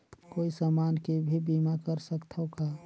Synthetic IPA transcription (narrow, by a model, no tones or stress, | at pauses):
koːisəmaːnkebʱibimakəɾsəkt̪ʰoka